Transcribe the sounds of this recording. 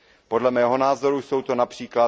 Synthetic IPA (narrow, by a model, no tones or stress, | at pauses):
po̞dlɛmɛːɦo̞naːzo̞ɾujso̞wt̪o̞napr̝̥iːkla